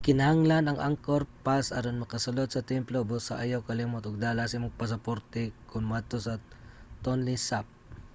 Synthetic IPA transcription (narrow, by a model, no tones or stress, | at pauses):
kɪnɐhaŋlanɐŋʔaŋkoɾpasa̰ɾonmɐkɐsɐlod̪̚sɐt̪ɛmplobosaʔajawkɐlimot̪ʊɡ̚d̪aːlasɪmʊɡ̚pɐs̬ɐpoɾt̪ɛkʊnmad̪̚t̪osɐ | t̪onlɪsap̚